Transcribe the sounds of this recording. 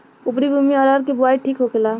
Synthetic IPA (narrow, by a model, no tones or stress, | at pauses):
upɾibʱumiɔɾəɾkebuaiʈʰikɦoɡela